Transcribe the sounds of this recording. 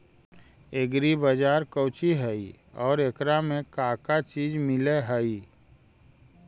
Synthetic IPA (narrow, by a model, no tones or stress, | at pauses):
eɡɾibəd͡ʒaːɾkəːt͡ʃiɦəi | ɔːɾekɾamẽkaːkat͡ʃiːd͡ʒmɪleɦəi